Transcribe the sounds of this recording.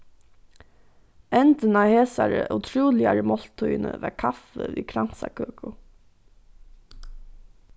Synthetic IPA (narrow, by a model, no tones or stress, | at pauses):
ɛnt̪ənaheːsaɹəʔut̪ʰɾuːlɪaɹəmɔl̥t̪ʰːujnəʋɛkʰafəviːkʰɾan̥sakʰøːkʰʊ